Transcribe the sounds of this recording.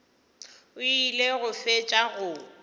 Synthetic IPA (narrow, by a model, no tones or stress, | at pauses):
ʊileɣʊfet͡ʃʼaɣʊ